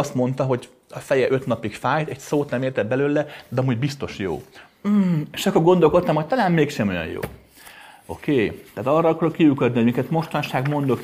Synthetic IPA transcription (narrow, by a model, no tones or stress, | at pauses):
st̪mo̞nt̪ɒɦo̞ɟ | ɒfɛjɛʔø̞t̪nɒpikfaːjt̪ɛcsoːt̪nɛmeːrt̪ɛbɛløːlɛd̪ɛɒmuːɟbist̪o̞ʃjo̰ː | m̩ːeːʃɒkːo̞rɡo̞nd̪olkot̪ːɒmhoc̚t̪ɒlaːnmeːkʃɛmo̞jɒ̰jjo̰ː | o̞̰keːt̪ɛaːt̪ɒrːɒɒkɒɾokːiykød̪niɦomikɛt̪mo̞ʃt̪ɒnʃaːɡmo̞nd̪o̞k